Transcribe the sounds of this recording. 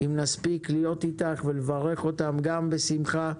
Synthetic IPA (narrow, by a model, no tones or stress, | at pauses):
imnaspiklijo̞titaχvelevaʁe̞χo̞t̪amɡambe̞simχa